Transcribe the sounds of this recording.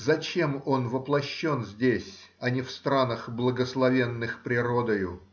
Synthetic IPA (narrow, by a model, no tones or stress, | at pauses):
zɐt͡ɕe̞mo̞nvəplˠɐɕːo̞nzʲdʲesʲ | ɐnʲɪfst̪ɾanəxblˠəɡəslˠɐvʲe̞nːɨxpɾʲɪɾo̞d̪əjʊ